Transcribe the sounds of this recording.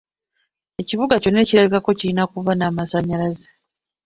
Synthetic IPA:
e̞ciβuɡaco̞ne̞ːciɾaβikako̞ciɾinakuvanaːmasaɲalaze

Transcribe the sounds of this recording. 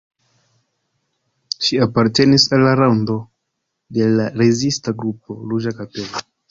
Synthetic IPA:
ʃiapaɾte̞nisalːaɾawndo̞ | de̞laɾe̞zistaɡɾup̚o̞̰ɾud͡ʒakape̞lo

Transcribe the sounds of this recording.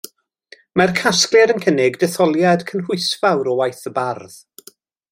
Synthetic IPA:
markʰasklɨɾənkʰənɪɡdɛθɔlˠjad̥kʰənhʊɨsvawɾɔwajθəbarð

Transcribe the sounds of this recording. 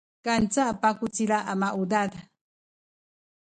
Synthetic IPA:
kant͡sapakʊt͡siɾaʔamaʔud̪ad̪a

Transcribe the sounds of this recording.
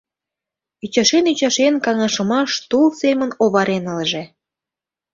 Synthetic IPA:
yt͡ɕɑʃenyt͡ɕɑʃenkɑŋɑʃə̆mɑʃt̪ulsemənoβɑɾenəlʒĕ

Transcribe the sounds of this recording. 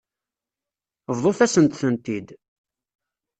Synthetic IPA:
vðˤoθæsənt̪θənt̪id̪

